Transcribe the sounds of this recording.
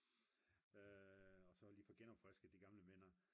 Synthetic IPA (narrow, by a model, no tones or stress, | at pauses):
øɒ̽sɒ̽liːfɒɡ̥enɒb̥fʁɛsɡ̥əd̥iɡ̥ɑ̈mləmen̰ɐ